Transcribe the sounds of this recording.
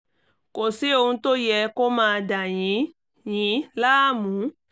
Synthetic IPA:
ko˨si˨˦o˧hũ˧to˦jɛ˧ko˦mãː˧da˨j̃ĩ˨˦ | jĩ˨˦laː˦mũ˨˦

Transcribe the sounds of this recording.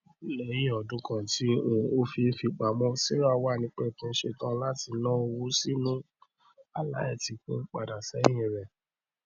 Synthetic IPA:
lɛ˨jĩ˦ɔ˨dũ˨˦kã˨ti˨˦ũ˨o˦fi˧˦fi˧k͡pa˨˦mɔ̃˦si˦ɾa˦˨wa˦˨nĩ˨˧˦k͡pɛ˦˨tũ˦ʃe˧tã˦la˦ti˧nã˦o˧wu˦si˦nũ˦ | a˨la̰˨˦ɛ˦˨ti˨˧k͡pũ˦k͡pa˨da˨sɛ˨˦j̃ĩ˧˨ɾɛ˨

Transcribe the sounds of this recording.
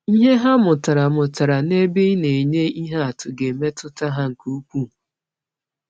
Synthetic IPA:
i˦ɦe˦ɦa˦mʊ˨ta˨ɾa˨mʊ˨ta˨ɾa˨ne˦bɪ˦ne˨ɲe˦i˦ɦa˦a˨tʊ˨ɡe˨me˦tʊ˦ta˦ɦa˦ŋ̩˨ku˦kʷu˦˨

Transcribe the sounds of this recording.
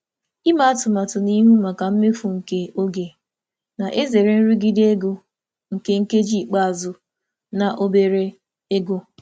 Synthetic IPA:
i˦ma˦a˦tʊ˨ma˨tʊ˨ni˦ɦu˦ma˨ka˨m̩˦me˦fu˨ŋ̩˨ke˦o˦ɡe˨ | na˨ʔe˦ze˨ɾe˨n̩˦ɾi˦ɡi˦de˦ɡo˦ | ŋ̩˨ke˦ŋ̩˦ke˦d͡ʒi˦˨k͡pa˦a˨zʊ˨ | na˨ʔo˦be˨ɾe˦ | e˦ɡo˦

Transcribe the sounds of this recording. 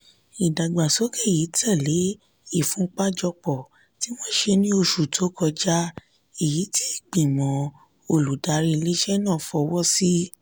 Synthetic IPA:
i˨da˨ɡ͡ba˨so˨˦kɛ˦˨ji˨˦tʰɛ˦˨le˨˦ | i˦˨fũ˨˦k͡pa˦d͡ʒɔ˧k͡pɔ˨ | ti˨˦wɔ̃˦ʃe˧nĩ˦o˧ʃu˨tʰo˨˦kɔ˧d͡ʒa˦ | i˨ji˨˦tʰi˦i˦˨k͡pĩ˨mɔ̃˨˦ | o˧˨lu˨da˨˧ɾi˧le˦ʃɛ˦nã˦˨fɔ˧wɔ˦si˦

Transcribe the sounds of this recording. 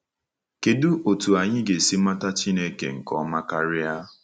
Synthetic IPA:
ke˨du˦ʔo˨tu˨a˨ɲɪ˦ɡe˨si˦ma˦ta˦t͡ʃi˦ne˦kḛ˨ŋ̩˨kɔ̰˦ma˦ka˦ɾɪ˦a˦

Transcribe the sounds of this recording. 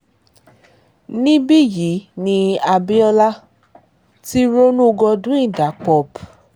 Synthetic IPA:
nĩ˦bi˦˨ji˨˦nĩ˧a˧bi˦ɔ˧la˦ | ti˦ɾo˦nũ˦˧ɡɔ˧dũ˦ĩ˦˨da˨˦k͡pɔ˧˨b

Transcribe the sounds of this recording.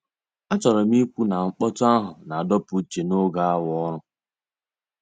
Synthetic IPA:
a˦t͡ʃɔ˨ɾɔ˨m˦i˦kʷu˦na˨ŋ͡m̩˦k͡pɔ˦tʊ˦a˦ɦʊ˨na˨a˨dɔ˦pʊ˨˦t͡ʃe˨no˦ɡa˦a˦wɔ˦ɾʊ˦

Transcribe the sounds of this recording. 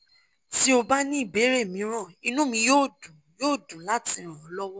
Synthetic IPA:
ti˦o˧ba˦nĩ˦i˦˨be˨˦ɾe˦˨mĩ˨˦ɾ̃ɔ̃˦˨i˧nũ˦mĩ˧joː˦˨dũ˨joː˦˨dũ˨la˦ti˧ɾ̃ɔ̃˨ɔ˨˦lɔ˦wɔ˦

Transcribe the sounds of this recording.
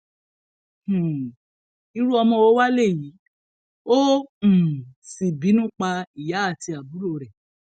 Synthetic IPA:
h̩˨ | i˧ɾu˦ɔ˧mɔ̃˧o˨˦wa˦le˦˨ji˨˦ | õ˦˨ | si˨bi˨˦nũ˦k͡pa˧i˨ja˨˦a˦˨ti˧a˨bu˨˦ɾo˧˨ɾɛ˨

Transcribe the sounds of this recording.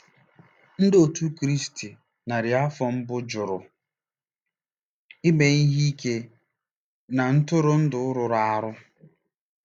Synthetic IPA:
n̩˦do˨tu˦kɾi˦sti˨ | na˨ɾɪ˨a˦fɔ˨m̩˦bʊ˦d͡ʒʊ˨ɾʊ˨ | ɪ˦me˨ni˦ɦi˦i˦ke˦ | na˨n̩˦tʊ˦ɾʊ˦n̩˦dʊ˨ʊ˦ɾʊ˨ɾa˦˨a˦ɾʊ˦

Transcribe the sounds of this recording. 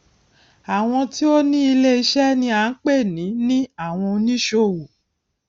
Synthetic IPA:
a˨w̃ɔ̃˧ti˦o˦nĩ˦i˧le˦i˧ʃɛ˦nĩ˧a˨˦n̩˦k͡pe˦˨nĩ˨˦nĩ˦a˦˨w̃ɔ̃˧nĩ˦ʃo˧˦˨wu˨

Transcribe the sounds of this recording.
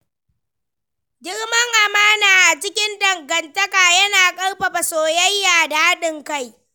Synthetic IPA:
d͡ʒʲɪ˦rmɐ˦ŋʔa˨maː˦naː˨ʔa˨t͡ʃɪ˦kʲɪ˦ndɐ˨ŋɡɐ˨ntɐ˦kaː˨jɐ˦naː˨kʼɐ˦ɽɸɐ˨ɸɐ˨soː˨jɐ˦jːaː˨daː˦ha˦ɗɪ˨ŋka˦˨j

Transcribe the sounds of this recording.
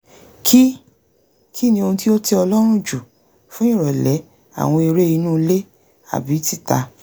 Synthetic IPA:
kʰi˦ | kʰi˦nĩ˧o˧nũ˧ti˦o˦te˦ɔ˧lɔ˦ɾ̃ũ˦˨d͡ʒu˨ | fũ˦ĩ˦˨ɾɔ˨lɛ˨˦ | a̰˨w̃ɔ̃˧i˧ɾe˦i˧nũː˦˧le˦ | a̰˨bi˨˦ti˦˨ta˧

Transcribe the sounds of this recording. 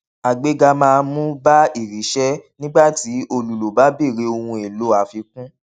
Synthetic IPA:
a˨ɡ͡be˧ɡa˧mãː˦˧mũ˦ba˦i˦˨ɾi˨˦ʃɛ˦nĩ˦ɡ͡ba˦˨ti˨˦o˧lu˨lo˨ba˨˦be˦˨ɾe˨˦o˧hũ˧e˨lo˨˦a˨fi˧kũ˦

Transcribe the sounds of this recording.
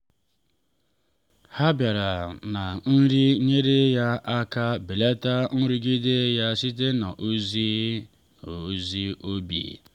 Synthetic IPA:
ha˦bja˨ɾa˨na˨n̩˦ɾi˦ɲe˦ɾe˦ja˦ʔa˦ka˦be˨le˦ta˦n̩˦ɾu˦ɡi˦de˦ja˦si˦te˦na˨ʔu˦zi˦ | o˨˦zi˦ʔo˦bḭ˨

